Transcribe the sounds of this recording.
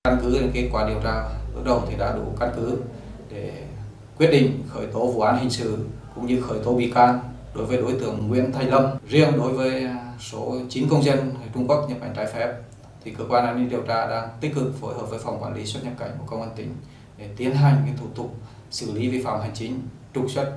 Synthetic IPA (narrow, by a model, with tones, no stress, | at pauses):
ka˧nkɨ˨˦ɗe˨˦nke˦˥t̚kwaː˧˩ɗi˨˩əwt͡ɕaː˧lɨ̰˦˥k̚ɗə˨˩wt̪ʰi˨˩ɗa̰ː˧˥ɗṵ˧˩ka˧nkɨ˨˦ | ɗe˧˩ | kwi˦˥t̚ɗḭ˧˨ŋ̟xəː˧˩jt̪o˨˦vṵ˧˨ʔaː˨˦nhï˨˩ŋ̟sɨ̰˧˨kʊ̰˧˥ŋ͡mɲɨ˧xəː˧˩jt̪o˨˦ɓḭ˧˨kaː˧ŋ | ɗo˨˦jvəː˨˦jɗo˨˦jt̪ɨ˧˩əŋːwḭ˧˨ənt̪ʰa˧˩jŋlə˧m̚zi˧ənɗo˨˦jvəː˨˦jso˨˦t͡ɕi˨˦nkə˧wŋ͡mzə˧nhə˨˩t͡ɕʊ˧ŋ͡mku˦˥ək̚ɲə˧˩ɓa̰˨˩ŋ̟t͡ɕaː˨˦jfɛ˦˥p̚ | t̪ʰi˨˩kəː˧˥kwaː˧nʔaː˧n˧i˧nɗi˨˩əwt͡ɕaː˧ɗaː˧ŋt̪ï˦˥k̟̚kɨ˨˩k̚fo˧˦jɦəː˨˩p̚vəː˨˦jfa˨˩wŋ͡mkwaː˧˩nli˨˦swə˦˥t̚ɲə˧˥t̚ka˧˩ŋ̟ku˧˩kə˧wŋ͡mʔə˧nt̪ï˧˩ŋ̟ | ɗe˧˩t̪i˨˦ənɦa˨˩jŋ̟ka˨˦t̪ʰu˧˩t̪ʰʊ˨˩k͡p̚ | sɨ̰˧˩li˨˦vi˧˩fa̰ː˧˨mha˨˩ŋt͡ɕï˨˦ŋ̟ | t͡ɕʊ˨˩k̚swə˦˥t̚